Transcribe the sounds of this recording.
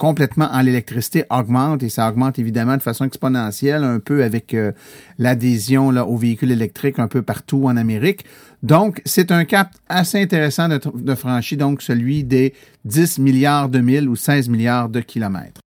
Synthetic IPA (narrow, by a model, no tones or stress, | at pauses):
kɔ̃plɛt̪mãʔɑ̃lelɛk̚t̪ʁisi̥t̪eʔɔɡmɑ̃t̪esaɔɡmɑ̃t̪evid̪amãd̪əfasɔ̃ɛkspɔnɑ̃ːsjɛlœ̃pøavɛkəlad̪ezjɔ̃lʌʔoveikʲylelɛk̚t̪ʁɪkɛ̃pøpaʁt̪uɑ̃nameʁɪk | d̪ɔ̃ksɛt̪œ̃kap̚t̪aseɛ̃t̪eʁesɑ̃d̪əd̪əfʁɑ̃ʃid̪ɔ̃ksəlɥid̪e | d͡z̪ɪsmiljaːʁd̪əmɪlusɛːzmiljaːʁd̪əkʲʰilɔmɛ̰ːt̪ʁ